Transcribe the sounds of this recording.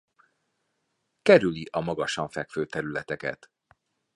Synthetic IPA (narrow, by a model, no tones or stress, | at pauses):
kɛɾyliʔɒmɒɡɒʃɒɱfɛkføːt̪ɛɾylɛt̪ɛkɛ̰t̪